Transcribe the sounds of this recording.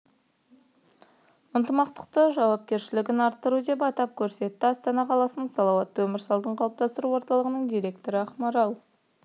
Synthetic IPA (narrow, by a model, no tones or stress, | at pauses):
ənt̪əmɑqt̪ə̥qt̪əʒɑwɑp̚kʲe̞ɾʃɪlɪɡʲɪnɑɾt̪ːəɾud̪e̞pɑt̪ɑp̚kʲʰɵɾse̞t̪ːɪɑst̪ɑnɑqʰɑlˠɑsənsɑlˠɑwɑt̪ːwɵmɪɾsɑlˠd̪əɴqʰɑlˠəp̚t̪ɑst̪əɾuwoɾt̪ɑlˠəʁənəɴd̪ijɾe̞k̚t̪o̞ɾəɑχmɑɾɑlˠ